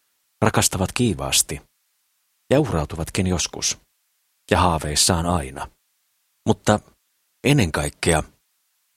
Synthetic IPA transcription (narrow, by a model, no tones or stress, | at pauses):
rɑkɑst̪ɑʋɑt̪kiːʋɑ̰ːst̪i | jɑuhrɑwt̪uʋɑt̪kinjo̞skṵs | jɑhɑːʋeːsːɑːnɑinɑ̰ | mut̪ːɑ | enːeŋkɑikːeɑ